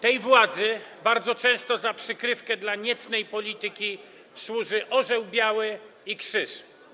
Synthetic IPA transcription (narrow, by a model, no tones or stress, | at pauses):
t̪ɛjvwad̪zɘbaɾd̪zɔt͡ʂɛ̃w̃st̪ɔzapʂɘkɾɘfkɛd̪laɲɛt̪snɛjpɔlʲit̪ɘkʲi | swuʐɘʔɔʐɛwbʲjawɘ | ikʂɘʂ